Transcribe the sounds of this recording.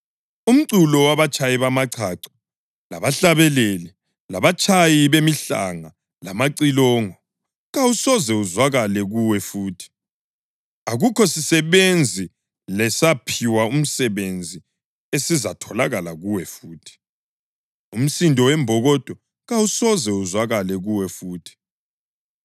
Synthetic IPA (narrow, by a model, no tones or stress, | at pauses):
um̩ǀulɔwaβat͡ʃʰʼajiβamaǀʰaǀi̥ | la̰βaɬaβɛleli | laβat͡ʃʰʼajiβemiɬa̰ŋa | lamaǀilɔːŋɔ | ɣawusɔzɛuzwaɣalɛɣuwɛfuːtʰi̥ | aɣukʰɔsisɛβend͡zʱi | lɛsapʰiwaum̩sɛβend͡zʱi | esizatʰɔlaɣalaɣuwɛfuːtʰi̥ | um̩sindʱʼɔwɛmbʱɔɣɔd̥ʱɔ | ɣawusɔzɛuzwaɣalɛɣuwɛfuːtʰi̥